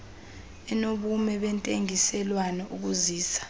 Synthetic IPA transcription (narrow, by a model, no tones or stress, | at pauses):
ɛnoɓumɛɓɛntʼeŋisɛlwanɛʔuk̬uziːsḁ